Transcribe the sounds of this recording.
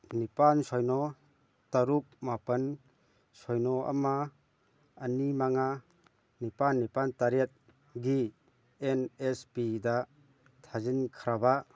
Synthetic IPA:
nipansɔjnɔ | taɾuk̚mapɐn | sɔjnɔa̰maː | nimaŋa | nipanːipantaɾet̪̚ | ɡi | enespida | tʰazinkʰɾaba

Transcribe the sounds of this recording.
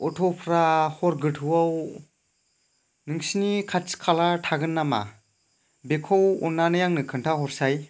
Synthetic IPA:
ɔtʰɔpʰɾahɔɾɡɯtʰɯwaw | nɯŋsinikʰatskʰalatʰaɡɯnːama̰ | bekʰɔwɔnːanɯjaŋnɯkʰɯntʰaɦɔɾsaj

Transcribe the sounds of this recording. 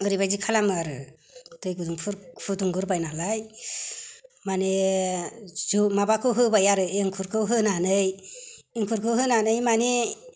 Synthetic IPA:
ɯɾibajd͡ʒikʰalamɯaɾɯ | tɯjɡɯduŋpʰuɾpʰuduŋɡɯɾbajnalaj | mane | zumabakʰɯwɦɯbajaɾɯeŋkʰuɾkʰɯwɦɯnanɯjː | ŋkʰuɾkʰɯwɦɯnanɯjmane

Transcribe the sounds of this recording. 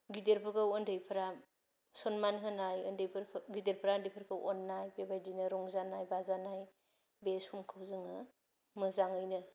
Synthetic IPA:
ɡideɾpʰɯkʰawɔndɯjpʰɐɾa | sɔnmanɦɯnajɯ̰ndɯjpʰɯɾkʰɡideɾpʰɾandipʰɯɾkʰɯwʔɔ̰nːajbebajdinɯɾɔŋzanajbazanaj | beshumkʰawzɯŋɯ | mɯzaŋɯjnɯ

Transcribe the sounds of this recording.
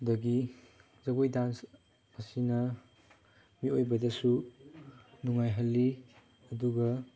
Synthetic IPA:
dɐɡi | zɐɡojdans | asinɐ | miojbɐdɐsu | nuŋajɦɐlːi | ɐduɡɐ

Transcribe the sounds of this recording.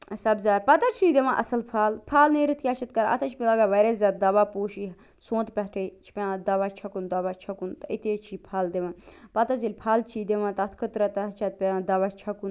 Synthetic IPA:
sɐbzaːpɐt̪ɐɾt͡ʃʰid̪eʋãːʔɐsɐlpʰaːlpʰaːlneːɾɨt̪ʰkʲaːt͡ʃʰɐt̪kɐɾɐ̰t̪ʰɐt͡ʃʰpʲilaɡaʋɐɾeːzʲaːd̪̚d̪ɐʋaːpoːʃi | sõːt̪pʲɐʈʰet͡ʃʰi̥pʲãd̪ɐʋat͡ʃʰɐkund̪ɐʋaːt͡ʃʰɐkunt̪ɐit̪eːt͡ʃʰiːpʰaːld̪eʋãnpɐt̪ɐzilʲpʰaːlt͡ʃʰiːd̪eʋãːt̪ɐt̪ʰkʰət̪ɾɐt̪ɐt͡ʃʰɐt̪̚pʲẽd̪ɐʋat͡ʃʰɐkun

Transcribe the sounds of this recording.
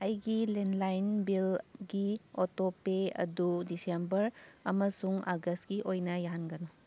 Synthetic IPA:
ɐjɡilenlajnbilɡiotopeɐ̰dudisembɐɾɐmɐsuŋaɡɐst̚ɡiʔojnɐjaɦanɡɐnu

